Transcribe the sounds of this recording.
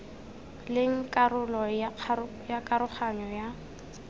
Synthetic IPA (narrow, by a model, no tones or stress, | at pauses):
lɪŋ̩kʼarʊlɔ | jakʼaɾʊχʰaɲɔja